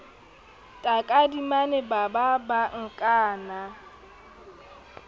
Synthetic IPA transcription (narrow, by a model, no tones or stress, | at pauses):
tʼakʼadimanebababaŋ̩kʼaːna